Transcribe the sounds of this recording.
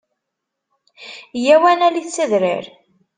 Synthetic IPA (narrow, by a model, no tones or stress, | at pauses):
jæwænæliθt͡sːəðɾɪ̰ɾ